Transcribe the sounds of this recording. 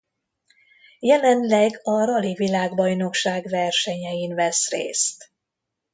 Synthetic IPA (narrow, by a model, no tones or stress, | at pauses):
jɛlɛnlɛɡɒɾɒlivilaːɡbɒjno̞kʃaːɡvɛrʃɛɲɛjinvɛsrḛːst̪